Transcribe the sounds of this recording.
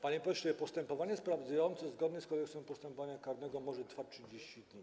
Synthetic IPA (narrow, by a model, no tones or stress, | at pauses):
paɲɛpɔɕɛpɔst̪ɛmpɔvaɲɛspɾavd̪zajɔnt̪sɛzɡɔd̪nɛskɔd̪ɛksɛmpɔst̪ɛmpɔvaɲakaɾnɛɡɔmɔʐɛt̪faʂd͡ʑeɕt͡ɕid̪ɲi